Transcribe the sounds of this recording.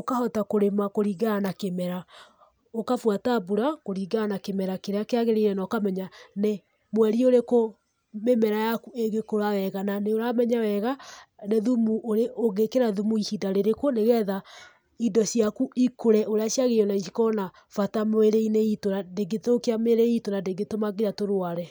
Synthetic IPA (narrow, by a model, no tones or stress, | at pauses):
okahɔtakoɾemakoɾiɡanakemɛɾa | okafwatabuɾakoɾiɡanakemɛɾakeɾeakeaɣeɾeiɾɛnaokamɛɲane | mwɛɾioɾeko | memɛɾajakueɡekoɾawɛɣananeoɾamɛɲawɛɣaneðumuoɾeʔoɣekeɾaðumuihidaɾeɾekwoneɣɛða | idɔsiakuikoɾɛʔoɾeaɕjaɣejɔnaiʃikɔna | fatameɾeineitonadeɡetokeameɾeitonandeɡetomaɡeɾatoɾwaɾɛ